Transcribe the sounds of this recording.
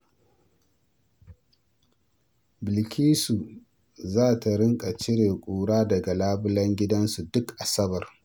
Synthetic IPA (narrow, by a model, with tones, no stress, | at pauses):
bɪ˨lkʲʰiː˦su˨ | zaː˦˨ta˨ɾɪ˦ŋkʼa˨t͡ʃɪ˦ɽeː˨kʷʼuː˨ɽaː˦dɐ˨ɡa˨laː˦bʊ˦lɐ˦ŋɡʲɪ˦dɐ˦nsu˨dʊ˦kʔa˨sɐ˦bɐ˨r